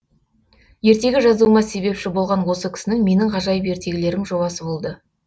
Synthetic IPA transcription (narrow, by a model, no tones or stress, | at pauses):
je̞ɾt̪e̞ɡʲɪʒɑzumɑse̞be̞pʃɪbo̞lˠʁɑnwo̞səkʲʰɪ̥sɪnɪŋme̞nɪŋʁɑʒɑjəpe̞ɾt̪e̞ɡʲɪle̞ɾɪŋʒo̞bɑsəbo̞lˠd̪ə